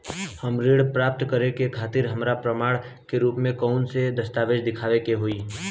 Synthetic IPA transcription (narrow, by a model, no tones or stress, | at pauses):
həmɾeːɽpɾaːp̚t̪kəɾekekʰaːt̪ɪɾɦəmɾapɾəmaːɽ | keɾuːpmẽkɔʊnsed̪əst̪aːʋeːd͡ʒd̪ɪkʰaːʋekeɦoiː